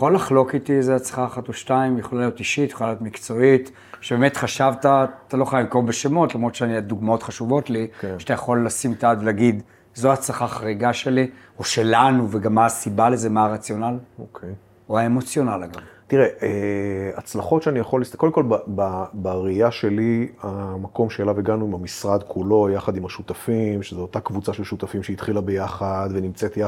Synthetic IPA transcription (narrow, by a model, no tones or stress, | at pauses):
jaχolːaχlo̞kit̪izeat͡sḁχaːχatoʃtaimjaχolajo̞tiʃitjχolajot̪mikt͡so̞it | ʃebemetχaʃavtat̪alo̞χajimkombeʃemo̞tlamʁo̞t̪ʃeaniad̪uɡmao̞tχaʃuvo̞tlikʃat̪ajaχo̞lːasimtaadleaɡid | zoat͡saχaχaʁiɡaʃe̞li | oʃe̞lanuveɡamːasibale̞ze̞maʁat͡sjo̞nalokʰej | oaemo̞t͡sjo̞nalaɡamt̪iʁeʔeat͡slaχo̞tʃeanijaχolistkodemkolbababeʁiaʃe̞liamako̞mʃeːlaveɡanuimamisʁad̪kʰulo̞jaχad̪imaʃut̪afimʃezeot̪akvut͡saʃelʃut̪afimʃeit̪χilabejaχad̪venimt͡set̪ja